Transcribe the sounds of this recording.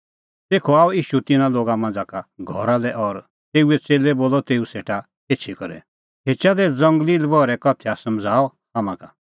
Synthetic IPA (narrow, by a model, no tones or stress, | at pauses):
t̪eːkʰɔaːɔiːʃut̪ɪnãloːɡamãnd͡zakaɡʱɔɾalɛʔɔɾ | t̪eːuɛt͡seːlɛboːlɔt̪eːuseːʈa | eːt͡ʃʰikɔɾɛ̰ | ɦeːt͡ʃad̪ɛd͡zɐ̃ŋɡliːlbɔɾɛkɔt̪ʰɛasɐmd͡zʱaːɔ | aːmãka